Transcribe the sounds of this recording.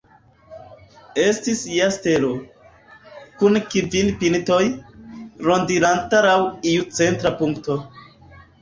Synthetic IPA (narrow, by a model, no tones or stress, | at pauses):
estisijaste̞ɾo̞ | kunkivilpinto̞j | ɾo̞ndiɾantalawiut͡se̞ntɾapuŋkto̞